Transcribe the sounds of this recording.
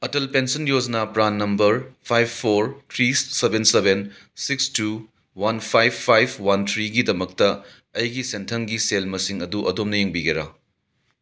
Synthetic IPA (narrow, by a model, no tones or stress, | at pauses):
ɐtɐlpensɐnjod͡ʒɐnapɾanːɐmbɐɾpʰajbpʰːoɾt̪ʰɾisebenseben | sikstu | wɐnpʰajbʰːajb̚ʰwɐnt̪ʰɾiɡidɐmɐk̚tɐ | ɐjɡisentʰɐŋɡiselmɐsiŋɐduʔɐdomnɐjeŋbiɡeɾɐ